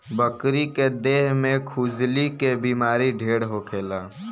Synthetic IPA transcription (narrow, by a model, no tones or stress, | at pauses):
bəkɾiked̪eːɦmẽkʰuːd͡ʒlikebiːmaːɾiɖʱeːɽɦokʰeːlaː